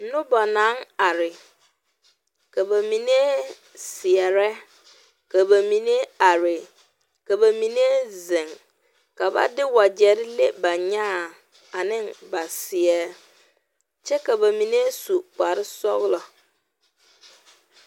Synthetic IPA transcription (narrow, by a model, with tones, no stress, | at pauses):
n̩˦nʊ̃˦bɔ˨nã˨˦ŋa˨ɾɪ˨ | kʰa˨ba˨mĩ˨ne˦ | sɪ˨ɛ˨ɾɛ˦ | ka˨ba˨mĩ˨ne˦a˨ɾɪ˨ | ka˨ba˨mĩ˨ne˦zɪ̃˨ŋ | ka˨ba̰˦dɪ˦wa˨d͡ʑɛ˨˦ɾɪ˦le˦ba˨ɲã˦˨ | a˨nɪ̃˦nba˨sɪ˨ɛ˦ | t͡ʃɛ˦ka˨ba˨mĩ˨ne˦su˨k͡pa˨ɾɪ˦sɔ˦ɣlɔ˨